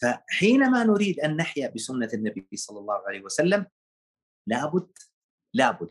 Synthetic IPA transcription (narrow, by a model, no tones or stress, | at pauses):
faħiːnamanʊɾiːd̪ʔanːaħjabɪsʊnːanːabiijːsˤɑlːɑlˤːɑːhʕalajhwasalːam | laːbʊd̪ː | laːbʊd̪